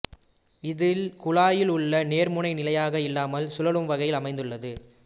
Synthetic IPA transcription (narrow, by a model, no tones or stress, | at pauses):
ɪðɪlkʊɭaːjɪlʊɭːɐneːɾmʊɳɐɪnɪlɐjaːɣɐɪlːaːmɐlsʊlɐlɯmʋɐɣɐjɪlɐmɐɪnd̪ɯɭːɐðɯ